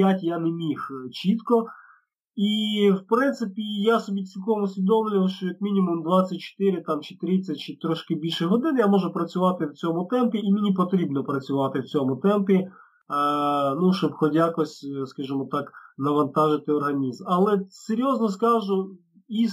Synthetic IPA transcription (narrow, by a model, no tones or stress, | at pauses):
jatʲjanemʲixt͡ʃit̪kɔ | iwpɾɪnt̪sɪpʲijasɔbʲit͡sʲilʲkɔmʊsʲʋʲid̪ɔmlʲɪʋˠɐʃt͡ʃɔjɐkmʲinʲimʊmd̪ʋɑt͡sʲːɐt̚ʲt͡ʃɪ̥t̪ɪɾʲɪt̪ɑmt͡ʃɪ̥t̪ɾʲit͡sʲːɛt͡ʃɪt̪ɾɔʃkɪbʲilʲʃɛɦɔd̪ɪnɪjamɔʒʊpɾɐt͡sʲʊʋɑt̪ɪwt͡sʲɔmʊt̪ɛmpʲiːmʲinʲipɔt̪ɾʲibnɔpɾɐt͡sʲʊʋɑt̪ɪwt͡sʲɔmʊt̪ɛmpʲi | nuʃt͡ʃɔbxɔdʲjakɔsʲskɐʒɪmɔt̪ɑknɐʋɐnt̪ɑʒɪt̪ɪɔrɦɐnʲizmɐlˠɛseɾʲjɔznɔskɑʒʊ | i